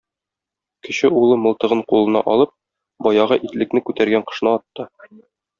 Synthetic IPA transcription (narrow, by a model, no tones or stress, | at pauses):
kɘ̆ɕɘulˠɤmɤ̆lˠt̪ɤ̆ʁɤɴqulˠɤ̆nɑ̰ʔɒlˠɤp̚ | bɒjɑʁɑʔit̪lɘ̆knɘkʉt̪æɾɡæɴqɤ̆ʃnɤɒt̪ːɤ